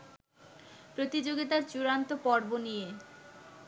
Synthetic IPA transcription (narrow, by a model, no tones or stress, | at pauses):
pɾot̪id͡ʑoɡit̪̬aɾt͡ɕuɾant̪opɔɾbonije